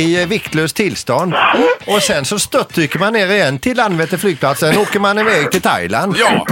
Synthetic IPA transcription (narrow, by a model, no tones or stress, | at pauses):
ɪvɪkt̪ʰløːst̪ʰɪlst̪ɔnd̪ɔsɛnsɔst̪œt̪ːyːkːəɾmanːeːɾɪjɛnːt̪ʰɪlːand̪vʋɛt̪əflyːɡ̚pʰlat̪sənoːkəɾmanɛnvɛːɡt̪ʰɪlt̪ʰa̰ɪla̰nd̪